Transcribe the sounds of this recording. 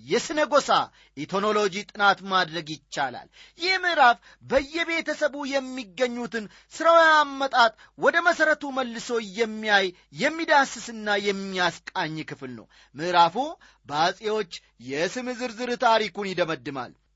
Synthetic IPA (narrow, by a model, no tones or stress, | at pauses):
jɛsɨnəɡo̞sa | ʔit̪ʰo̞no̞lo̞d͡ʒit̪ʼɨnat̪mad̪ɾəɡjɪt͡ʃːala̰l | jɪhmɨʔɾaf | bəjːɛβe̞t̪ʰəsəβujɛmːiɡːəɲːut̪ɨn | sɨɾawjamːət̪ʼat̪ʼ | wɔd̪əməsəɾət̪uməlːɨso̞jɛmːijajː | ɛmːid̪asːɨsɨnːajɛmːiaskʼaɲːkʰɨflnə̰w | mɨʔɾafu | bəasʼewo̞t͡ʃː | jɛsɨmɨzɨɾzɨɾt̪ʰaɾikunjɪd̪əməd̪ːɨma̰l